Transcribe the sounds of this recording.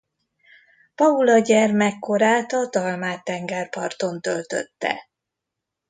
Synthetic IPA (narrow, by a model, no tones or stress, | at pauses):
pɒulɒɟɛrmɛkːo̞ɾaːt̪ɒd̪ɒlmaːt̪ːɛŋɡɛrpɒrt̪o̞nt̪ølt̪ø̰t̪ːɛ̰